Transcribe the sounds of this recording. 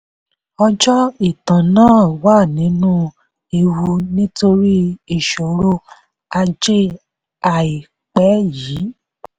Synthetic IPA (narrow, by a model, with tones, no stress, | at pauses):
ɔ˧d͡ʒɔ˦i˦˨tã˨nãː˦˨waː˦˨nĩ˨˦nũ˦ | e˧wu˧nĩ˦to˧ɾi˦i˦˨ʃo˨ɾo˦ | a˧d͡ʒe˦ | a˨i˨ | k͡pɛ˨˦jiː˨˦